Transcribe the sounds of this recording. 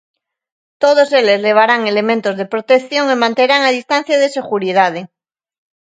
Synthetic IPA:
t̪oð̞oselezle̞β̞aɾaŋele̞mẽnt̪ozðe̞pɾot̪ekθjo̞ŋemãnt̪eɾaŋaðist̪an̟θjað̞ese̞ɣuɾiðað̞e

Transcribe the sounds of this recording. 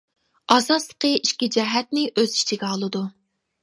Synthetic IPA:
ɑzɑt̪lˠə̥qəiʃkʲid͡ʒɛɦɛt̪̚nɪʔøzit͡ʃʰiɡʲɛɑlˠɨd̪u

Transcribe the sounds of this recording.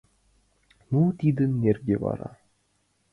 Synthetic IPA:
nut̪ʲid̪ɘ̆nːʲerɡʲevɑ̰ɾɑ

